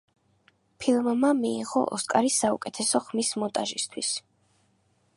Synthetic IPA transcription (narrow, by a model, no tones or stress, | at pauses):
pʰilˠmmamiːʁɔ̰ʔɔskʼaɾisaṵkʼɛt̪ʰɛsɔχmismɔt̪ʼaʒist̪ʰwis